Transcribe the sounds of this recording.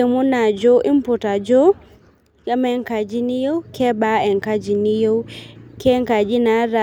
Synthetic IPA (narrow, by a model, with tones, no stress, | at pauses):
i˨mu˦na˨d͡ʒɔ˦ʔi˦mputa˨d͡ʒɔ˦ | amɛ˦ŋka˨d͡ʒi˦ni˦jɔ˦wkʰɛ˦baɛ˨ŋka˦d͡ʒi˨ni˦jo˦wkɛŋka˨d͡ʒi˦na˨ɾa